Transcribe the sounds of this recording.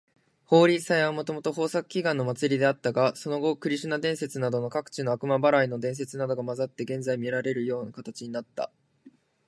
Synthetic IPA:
ho̞ːɾʲisaeβamo̞t̪o̞mo̞t̪o̞ɦo̞ːsakɯ̟̥kʲiɡãnːo̞mat͡sɨɾʲid̪e̞at̪ːaɡaso̞no̞ɡo̞kɯ̟ɾʲiɕɨnad̪ẽ̞ɰ̃se̞t͡sɨnad̪o̞no̞kakɯ̟̥t͡ɕino̞akɯ̟mabaɾaino̞d̪ẽ̞ɰ̃s̬e̞t͡sɨnad̪o̞ɡamazat̪ːe̞ɡẽ̞nzaimʲiɾaɾe̞ɾɯ̟jo̞ːnakat̪at͡ɕiɲ̟inat̪ːa̰

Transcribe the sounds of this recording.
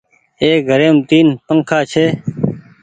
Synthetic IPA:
eːɡʱəɾeːmt̪iːnpəŋkʰaːt͡ʃʰeː

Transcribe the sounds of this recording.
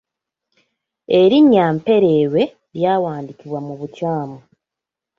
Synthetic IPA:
e̞ɾiɲːaːmpe̞ɾe̞ːwe̞ | ɾjaːwaːndikiβwamuβucaːmu

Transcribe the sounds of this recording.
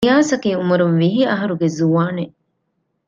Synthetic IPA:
jaːsɐkiumuɾunʋiɦiɐɦɐɾuɡezuʋaːne

